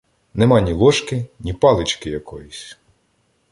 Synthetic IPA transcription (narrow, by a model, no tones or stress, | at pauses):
nɛmɑnʲilˠɔʃkɪnʲipɑlˠɪt͡ʃkɪjɐkɔjusʲ